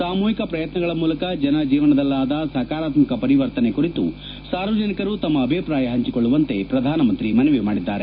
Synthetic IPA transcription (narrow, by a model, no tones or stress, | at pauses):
saːmuːɦikɐpɾɐjɐt̪nɐɡɐɭɐmuːlɐkɐd͡ʒɐnɐd͡ʒiːʋɐnɐd̪ɐlːaːd̪ɐsɐɦkaːɾaːt̪mikɐpɐɾiʋɐɾt̪ɐne̞kuɾit̪ṵ | saːɾʋɐd͡ʒɐnikɐɾut̪ɐmːɐːbʱipɾaːjɐɦɐɲt͡ʃikoɭːuʋɐnt̪e̞pɾɐd̪ʱaːnɐmɐnt̪ɾimɐneʋemaːɽid̪ːaːɾe